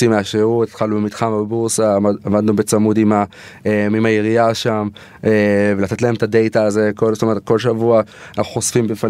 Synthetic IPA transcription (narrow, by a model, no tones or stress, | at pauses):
imeaʃeut̪ḁtχalnubemit̪χambebuʁsaavad̪nubet͡samudima | eimajeʁiaʃam | evelat̪et̪̬lae̞mt̪ade̞jt̪aːze̞kolzot̪omeet̚ko̞lʃavua | anaχuχo̞sfimbefa